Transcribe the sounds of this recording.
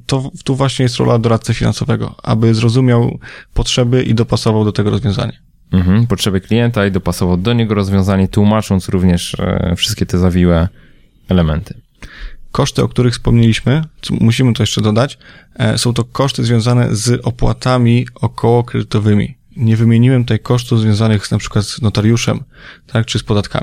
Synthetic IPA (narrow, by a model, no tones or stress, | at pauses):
t̪ɔt̪uvwaɕɲɛjɛst̪ɾɔ̰lʔad̪ɔɾat̪sɨfʲina̰nsɔvɛɡɔ̰a̰bɘzɾɔzumʲjawpɔtʂɛbɘʔḭd̪ɔpasɔvawd̪ɔt̪ɛɡɔɾɔzvʲjɔ̃w̃za̰ɲa | m̩ɦm̩pɔtʂɛbɘklʲijɛnt̪aid̪ɔpasɔvawd̪ɔɲɛɡɔɾɔzvʲjɔ̃w̃zaɲɛt̪wumat͡ʂɔnt̪sɾuvɲɛʂfʂɘst̪kʲɛt̪ɛzavʲiwɛ | ɛlɛmɛnt̪ʰɘ̥ | kɔʂt̪ɘɔ̰k̚t̪uɾɘxfspɔmɲelʲiɕmɘt̪ɔmuɕimɘt̪ɔjɛʂt͡ʂɛd̪ɔd̪at͡ɕsɔ̃w̃t̪ɔkɔʂt̪ɘzvʲjɔ̃w̃zanɛ̰zʔɔpwa̰t̪amʲiɔkʰɔwɔkɾɛd̪ɘt̪ɔvɘmʲḭ | ɲɛvɘmʲjeɲiwɛmt̪ut̪ajkɔʂt̪uvzvjɔ̃w̃zanɘɣznapʂɘ̥kwat̪znɔt̪aɾjuʂɛ̰mt̪ʰak̚t͡ʂɘspɔd̪at̪kʰa̰mʲi